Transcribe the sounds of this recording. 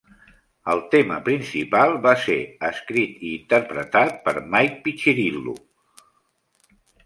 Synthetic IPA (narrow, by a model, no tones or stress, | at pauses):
əlˠt̪emə̰pɾinsipalˠβaseəskɾit̪iːnt̪əɾpɾət̪at̪̚pəɾmajk̚pit͡ʃiɾilːṵ